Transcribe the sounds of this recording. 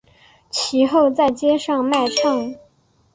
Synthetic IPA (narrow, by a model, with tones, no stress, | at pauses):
t͡ɕʰi˧˥xo˥˧ʊt͡sa˥˩ɪt͡ɕjɛ˥ʂɑ˥˧ŋma˥˧ɪʈ͡ʂʰɑ˥˩ŋ